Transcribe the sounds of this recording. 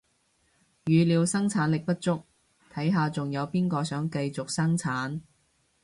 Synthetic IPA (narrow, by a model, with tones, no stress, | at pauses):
jyː˨˧liː˨˧wsɐ˥ŋt͡sʰaː˨˥nlɪ˨k̚pɐ˥t̚t͡sʊ˥k̚ | t̪ʰɐ˨˥jɦaː˨t͡sʊ˨ŋjɐ˨˧wpiː˥nkɔː˧sœː˨˥ŋkɐ˧jt͡sʊ˨k̚sɐ˥ŋt͡sʰaː˨˥n